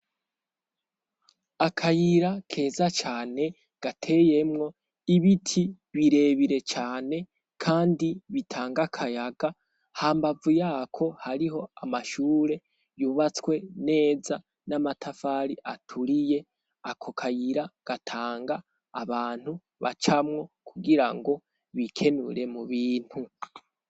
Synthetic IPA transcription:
akʰajiɾakʰe̞ːzat͡ʃaːne̞ | ɡ̥atʰe̞je̞mŋo̞ | iβitʰi | βiɾe̞βiɾe̞t͡ʃaːne̞ | kʰaːndiβitʰaːŋɡakʰajaɡa | haːmbavujaːkʰo̞haɾiɦo̞amaʃuːɾe̞ | juβat͡swe̞ne̞ːza | namatʰafaːɾiʔatʰuɾije̞ | akʰo̞kʰajiɾaɡ̥atʰaːŋɡaː | βaːn̥hu | βa̰t͡ʃamŋo̞kʰuɡiɾaŋɡo̞ | βikʰe̞nṵɾe̞muβiːn̥hu

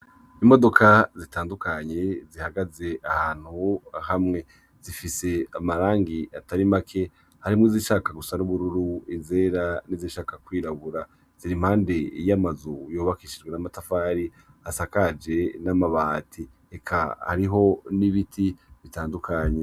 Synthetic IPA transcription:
imo̞do̞kʰazitaːndukaɲe̞zihaɡaze̞ʔahaːn̥huahamŋe̞ | z̥ifise̞amaɾaːŋɡiataɾimakʰe̞ | haɾimŋiziʃaːkaɡusanuβuɾuɾuize̞ːɾaniziʃaːkakwiːɾaβuɾa | z̥iɾim̥haːnde̞jamazujoːβakiːʃid͡ʒɡwe̞namatafaːɾi | asakad͡ʒe̞namaβaːtʰi | ekʰa̰ha̰ɾiɦo̞niβitʰiβitaːndukʰaɲe

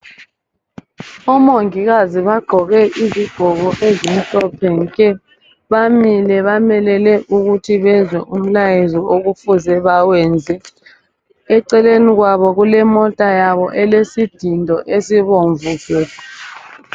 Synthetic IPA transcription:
ɔmoŋiɣaziβaɡ͡ǃʱɔɣɛʔiziɡ̥ʱɔɣɔʔezim̩ɬʼɔpʰɛŋkʼɛ | βamilɛβamɛlɛlɛʔuɣutʰiβɛzwɛʔum̩lajezɔoɣufuzɛβawɛnd͡zʱɛ | ɛǀɛleniɣwaβɔɣulɛmɔtʼajaβɔʔɛlesid̥ʱindʱɔʔesiβoɱvuːfɛ

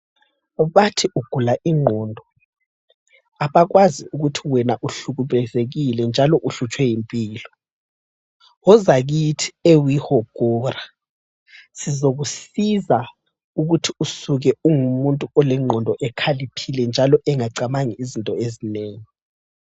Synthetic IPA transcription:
βatʰiʔuɡ̥ʱulaʔiŋ͡ǃʱɔːndʱɔ | aβaɣwaziuɣutʰiwɛnaʔuɬuɣuβɛzeɣilɛnd͡ʒʱalɔʔuɬut͡ʃʼwɛjimpʼiːlɔ | ɔzaɣitʰi̥ewihɔɡ̥ʱɔra | sizoɣusiza | uɣutʰiusuɣɛuŋumuntʼuɔlɛŋ͡ǃʱɔndʱɔʔɛkʰalipʰilɛnd͡ʒʱalɔʔɛŋaǀamaŋiizintʼɔezineːŋi

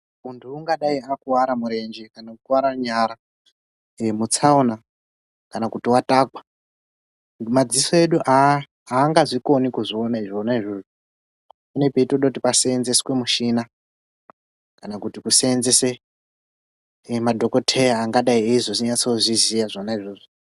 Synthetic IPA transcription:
untʰuːŋɡaɗaiakuwaɾamuɾe̞nd͡ʒekanaukuwaɾaɲaɾa | mut͡sauna | kanakutiwataːkwḁ | mad͡zisoe̞ɗuʔaː | ŋɡaʐiko̞nikuʐio̞naiʐonaiʐoʐo | mune̞peitoɗautipaseːnzeskwe̞muʃina | kanakutikuseenzese | madʱo̞ko̞tʰejaaŋɡaɗaieiʐoziɲat͡souʐizijaʐonaiʐoːʐo

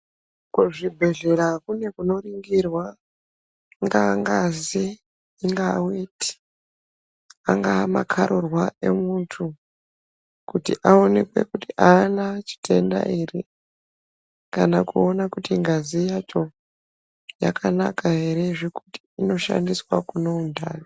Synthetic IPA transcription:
kuʐibʱe̞ɮe̞ɾakune̞kuno̞riŋɡirwa | ŋɡaŋɡaziː | ŋɡaweːti̥ | aŋɡaːma̰kʰaɾorwae̞̰muntʰu | kutiʔao̞ne̞kwe̞̰kutiʔaːnat͡ʃi̥tʰe̞nda̰iri | kanakuo̞nakutiŋɡazijat͡ʃo̞ | jakʰana̰kaɦe̞ɾe̞ʐekuti̥ino̞ʃa̰ndiswa̰kuno̞undaːjo

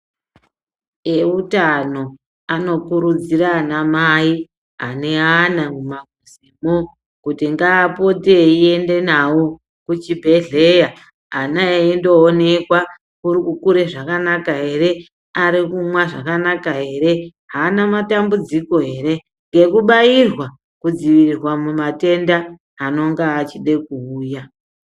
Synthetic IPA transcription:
eutano̞ | ano̞kuɾud͡ziɾanamai | ɦa̰ne̞anamumaɡʱuzimo | kutiŋɡaːpo̞teie̞nde̞nawo | kut͡ʃibʱe̞ɮe̞jaː | naeendo̞ːne̞kwa | kuɾikukuɾe̞ʐakanakaɦe̞ɾe̞ | aɾikumwaʐa̰kanakaɦe̞ɾe̞ | ɦaːnamatambud͡ziko̞ɦe̞ːɾe̞ | ŋɡe̞kuɓajirwa | kud͡ziʋirirwamumate̞ndaː | no̞ŋɡaːt͡ʃiɗe̞k̚uuːja

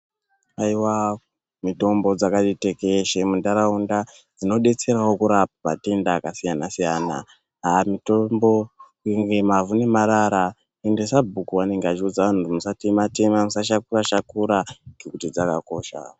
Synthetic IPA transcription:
aiwa | mito̞mbo̞d͡zakatite̞keʃemundaɾaunda | d͡zino̞ɗe̞t͡se̞ɾawo̞kuɾap̚apa̰te̞ndaːkasijanasijaːna̰ | amitombo̞ | iŋɡemavunemaɾaɾa | endesabʱukuwane̞ŋɡeat͡ʃiud͡zaʋan̤utumusatimate̞mamusaʃakuraʃakuɾaŋɡekutid͡zaka̰ko̞ːʃa̰

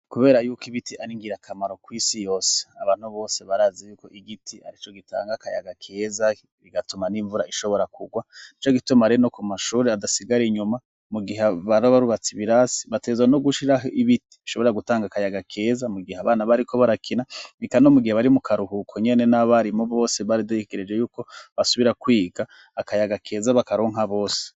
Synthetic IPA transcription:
kuβe̞ːɾajuːkiβitiaɾiŋɡiɾakʰamaɾo̞kwiːsijo̞ːse̥aβaːn̥huβo̞ːse̞βaɾaːzijuːko̞ʔiɡitʰia̰ɾit͡ʃo̞ɡita̰ːŋɡakaja̰ɡakʰe̞ːza | βiɡatumaniɱvuɾaʔiʃo̞βo̞ɾakuɡwanit͡ʃo̞ɡitumaɾeno̞kumaʃuːɾeadasiɡaɾiɲuma | muɡiɦeβaɾoβaɾuβat͡siβiɾasi̥βatezwanoɡuʃiɾaɦiβiti̥βiʃo̞βo̞ɾaɡutaːŋɡakajaɡakʰe̞ːzamuɡiheaβaːnaβaɾikʰo̞βaɾakʰinanikano̞muɡiheβaɾimukʰaɾuɦukʰoɲe̞ne̞naβaɾimoβo̞ːseβaɾidaiɡeɾe̞d͡ʒejuːko̞βasuβiɾakwiːɡaː | kajaɡakʰe̞ːzaβakaɾoːŋɦaβo̞ːse̥

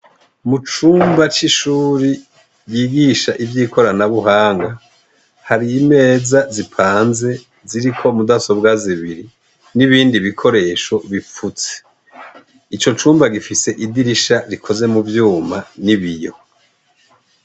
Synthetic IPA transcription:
mut͡ʃuːmbat͡ʃiʃuːɾi | jiɡiʃaʔivjiːkʰo̞ɾanaβuɦaːŋɡa | haɾiːme̞ːzazipʰaːnze̞ | ziɾikʰo̞mudaso̞bɡaziβiɾi | niβiːndiβikʰo̞ɾe̞ʃo̞βifut͡se̥ | it͡ʃo̞t͡ʃuːmbaɡifise̞ʔidiɾiʃaɾikʰo̞ze̞muvjuːmaniβijo̞̰

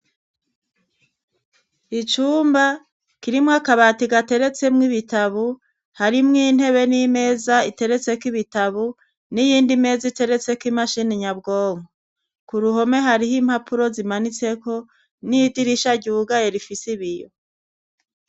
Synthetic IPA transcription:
it͡ʃuːmba | kiɾimŋakaβatiɡate̞ɾe̞t͡se̞mŋiβitaβu | haɾimŋin̥he̞βe̞nime̞ːzaite̞ɾe̞t͡se̞kwiβitaβu | nijiːndime̞ːzaite̞ɾe̞t͡se̞kwimaʃiniɲabɡoːŋo | kuɾuɦo̞me̞ɦaɾihimhapʰuɾo̞zimanit͡se̞ko̞ | nidiɾiʃaɟuːɡajeɾifisiβijo̰

